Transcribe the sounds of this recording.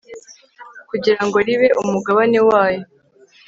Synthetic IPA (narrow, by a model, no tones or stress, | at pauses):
kuɟiɾaŋɡo̞ɾiβe̞ʔumuɡaβane̞waːjo̞